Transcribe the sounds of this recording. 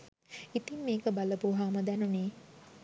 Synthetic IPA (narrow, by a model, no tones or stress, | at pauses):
it̪iŋmeːkəbaləpuɦaːməd̪ænuneː